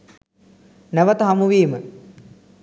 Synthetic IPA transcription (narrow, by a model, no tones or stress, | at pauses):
næʋət̪əɦamuʋiːmə